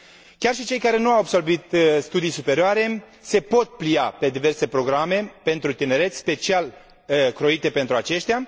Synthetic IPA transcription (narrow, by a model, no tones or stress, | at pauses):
kʲarʃit͡ʃe̞jkaɾe̞nuawabso̞rbit̪st̪ud̪ijsupe̞ɾioaɾe̞ | se̞po̞t̪̚plijape̞d̪ive̞rse̞pɾo̞ɡɾame̞pe̞nt̪ɾut̪ine̞ɾe̞t̪sʲspe̞t͡ʃial | kɾo̞it̪e̞pe̞nt̪ɾuat͡ʃe̞ʃt̪ja